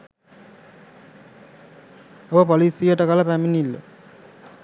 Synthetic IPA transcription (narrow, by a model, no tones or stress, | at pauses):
obəpolisijəʈəkaləpæminilːə̰